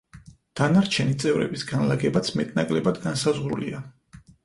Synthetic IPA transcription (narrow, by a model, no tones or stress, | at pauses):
d̪̥anaɾt͡ʃʰɛnit̪sʼɛvɾɛ̰bisɡanlaɡɛbat̪sʰmɛt̪ʼnakʼlɛbad̪ɡansazʁɾṵlḭa